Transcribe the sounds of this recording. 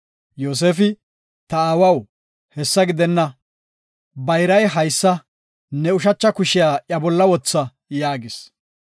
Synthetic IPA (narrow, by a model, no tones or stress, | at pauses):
joːs̬eːfɪ | t̪ɐaːwɐw | hɛsːɐɡɪd̪ɛnːɐ | bɐjɾɐjɦɐjsːɐ | nɛʊʃ̬ɐt͡ʃːɐkʊʃɪjaːʔjɐbɔlːɐwɔt͡sːɐ | jaːɡɪs